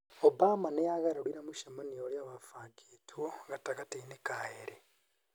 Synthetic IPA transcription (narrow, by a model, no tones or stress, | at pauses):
obaːmanejaɣaɾaɾiɾamuʃamanijoɾjaβafaːɡeːtʰuɣatakateinekaheɾe